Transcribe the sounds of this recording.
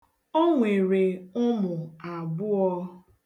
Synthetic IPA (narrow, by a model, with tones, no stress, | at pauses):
o˦ŋʷe˨ɾe˨ʊ˦mʊ˨a˨bʊ˦ɔ˦